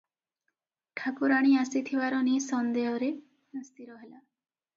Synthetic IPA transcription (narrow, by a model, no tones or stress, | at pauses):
ʈʰakuɾaɽ̃iasit̪ʰibaɾɔnisɔnd̪eɦɔɾe | nast̪iɾɔɦela